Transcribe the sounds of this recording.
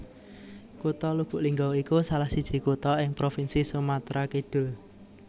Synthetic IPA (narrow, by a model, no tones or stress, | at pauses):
kut̪ɔlub̥ʊ̤ʔliŋɡawikusalahsid̥ʒ̥i̤kut̪ɔɪŋpɾofinsisumat̪ɾʔakid̪̥ʊ̤l